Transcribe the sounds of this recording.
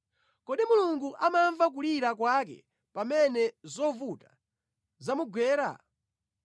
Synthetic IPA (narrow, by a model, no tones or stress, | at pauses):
kɔɗimuluŋɡuʔamaɱvak̬uliɾak̬wakɛ̰ | pamɛnɛzɔvuta | zamuɡwɛːɾa̰